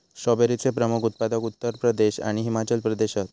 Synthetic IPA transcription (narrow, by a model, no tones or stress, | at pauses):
sɔbeɾit͡sepɾəmukʰut̪̚pad̪əkut̪ːəɾpɾəd̪eɕa̰ɽ̃iɦimat͡ɕəlpɾəd̪eɕat̪